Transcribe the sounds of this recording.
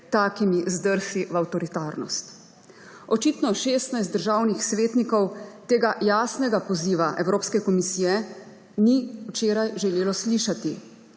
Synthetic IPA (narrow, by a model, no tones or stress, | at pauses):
t̪aːkimizd̪əɾsiʋawt̪ɔɾit̪aːɾnɔ̰st̪ | ɔt͡ʃiːt̪nɔʃeːst̪najst̪d̪əɾʒaːwnixsʋeːt̪nikɔwt̪eːɡajaːsnɛɡapɔziːʋaʔɛwɾoːpskɛkɔmisijɛ | niwt͡ʃeːɾajʒɛleːlɔsliːʃat̪i